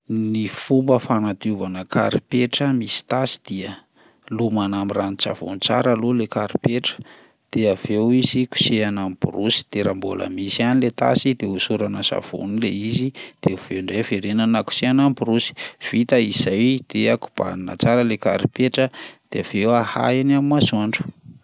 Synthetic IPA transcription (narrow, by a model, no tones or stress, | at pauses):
nifumbəfanat̪uvanəka̰ɾipeʈ͡ʂəmisi̥t̪asi̥d̪̥iə | lumanamiranit͡sa̰vṵnit͡sa̰ɾalulekaɾipeʈ͡ʂə̥ | d̪̥eavewiziku̥seanampṵɾusi̥d̪̥eɾambo̰lə̰misanilet̪a̰sid̪eusuɾanəsa̰v̥ṵnileizid̪̥euv̥eɳɖ͡ʐefeɾenanaku̥seanampuɾusi̥v̥it̪əizajd̪̥eaku̥b̥a̰ninə̰t͡saɾəleka̰ɾipeʈ͡ʂəd̪̥eav̥ewaha̰janamimazuaɳɖ͡ʐu̥